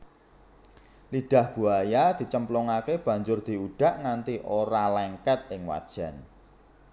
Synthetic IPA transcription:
liɖ̥ä̤hb̥ṳajad̪̥i̤t͡ʃəmplɔŋakeb̥ä̤ɲd͡ʒʊrd̪̥i̤uɖ̥ä̤ʔŋant̪iʔoɾalɛŋkɛt̪̚ɪŋwa̰d̥ʒ̥a̤n

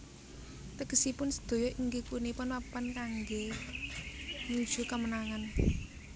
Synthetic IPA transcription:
t̪əɡ̥əsipʊnsə̥d̪̥o̤jɔʔiŋɡikunipʊnwapənkaŋɡe | ɲud̥ʒ̥ṳkəmənaŋan

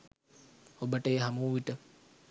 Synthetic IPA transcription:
obəʈəjɦamuːʋiʈə

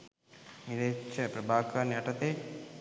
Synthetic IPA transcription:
niɾeːt͡ʃːɐpɾɐbʱaːkaːnɐʈɐt̪eː

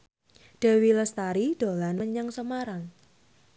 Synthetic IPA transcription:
ɖ̥ɛ̤wiləst̪aɾid̪̥o̤lanəɲaŋsəmaɾaŋ

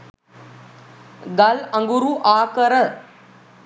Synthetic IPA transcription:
ɡalə̃ŋɡuɾuʔakəɾə

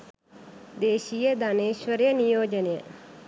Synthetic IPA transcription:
d̪eːʃijəd̪aneːʃʋəɾjɐnijoːd͡ʒənjə

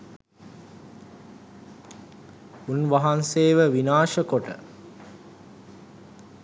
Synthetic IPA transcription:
unʋaɦanseːʋəʋinaːʃəkoʈə̰

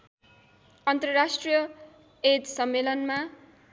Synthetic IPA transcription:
ʌnt̪rʌɾasʈrijʌ | et̪sʌmːelʌnma

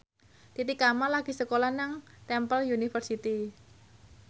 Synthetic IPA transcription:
t̪it̪ikamalaɡ̥i̤səkolanaŋt̪ɛmpəljunifərsit̪i

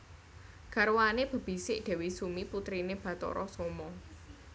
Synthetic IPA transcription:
ɡ̥arwaneb̥ə̤b̥i̤sɪʔɖ̪̥ɛ̤wisumiput̪ɾineb̥ä̤t̪ɔ̰ɾʔɔsomɔ

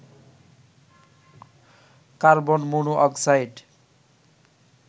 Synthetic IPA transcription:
kaɾbɔnmunuʔʌksajɖ

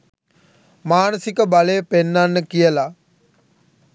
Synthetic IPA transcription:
maːnəsikəbaləjəpenːanːəkijəla

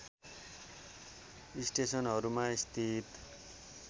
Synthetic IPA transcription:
isʈesʌnɦʌɾumaist̪ʰit̪

